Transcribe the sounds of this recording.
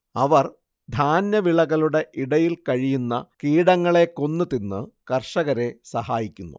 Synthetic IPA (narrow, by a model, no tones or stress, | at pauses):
ɐʋɐr | d̪ʱaːnjɐʋiɭɐɣɐɭuɽe̞ʔiɽɐjilkɐɻijunːɐkiːɽɐŋːɐɭe̞ko̞nːɨt̪inːɨkɐrʂɐɣɐɾe̞sɐhaːjikʲːunːṵ